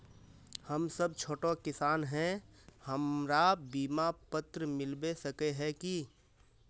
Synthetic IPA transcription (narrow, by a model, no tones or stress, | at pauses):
həmsəb̚t͡ʃʰoːʈokɪsaːnɦɛ̃həmɾabiːmapət̪ɾəmɪlbesəkeɦɛ̃ki